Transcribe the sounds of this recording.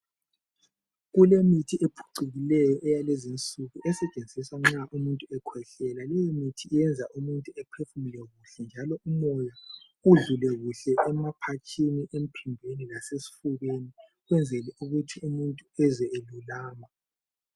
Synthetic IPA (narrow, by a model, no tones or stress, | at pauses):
ɣulemitʰiʔepʰu̥ǀiɣilɛjɔʔɛjalezint͡sʼuɣuʔɛsɛt͡ʃʼend͡zʱiswaŋ͡ǁaʔumuntʼuɛkʰwɛɬɛlalɛjɔmitʰiːjɛnd͡zʱaʔumuntʼuɛpʰefumilɛɣuɬɛnd͡ʒʱalɔumɔja | uɮulɛɣuɬɛʔɛmapʰat͡ʃʰiniʔem̩pʰimbʱenilasesi̥fuɣeni | ɣwɛnd͡zʱɛlɛuɣutʰiumuntʼuɛzɛelulaːma